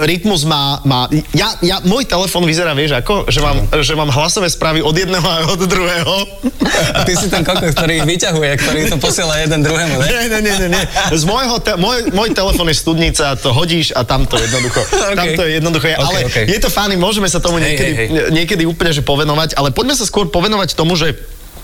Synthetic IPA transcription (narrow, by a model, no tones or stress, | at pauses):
ɾit̪muzmaːmaːjajamɔjt̪ɛlɛfɔːnʋizɛɾaːʋɪɛʒakɔʒɛmaːmʒɛmaːmɦlasɔʋɛːspɾaːʋiɔd̪jɛd̪nɛɦɔaɔd̪d̪ɾuɦɛːɦɔ | at̪isit̪ɛnkɔkɔkt̪ɔɾiːiʋicaɦujɛk̚t̪ɔɾit̪ɔpɔsɪɛlajɛd̪ɛnd̪ɾuɦɛːmuɲɲɛɲɛɲɛɲɛɲɛzmɔjɦɔt̪ɛmʊɔjmɔjt̪ɛlɛfɔːnjɛst̪ud̪ɲit͡saat̪ɔɦɔɟiːʃat̪amt̪ɔjɛd̪nɔd̪uxɔt̪at̪ɔjɛjɛd̪nɔd̪uxɔjɛʔalɛkjɛt̪ɔfaːnimʊɔʒɛmɛsat̪ɔmuɲɪɛkɛd̪iɲɪɛkɛd̪iuːplɲɛʒɛpɔʋɛnɔʋaɟalɛpɔɟmɛsaskʊɔɾpɔʋɛnɔʋact̪ɔmuʒɛ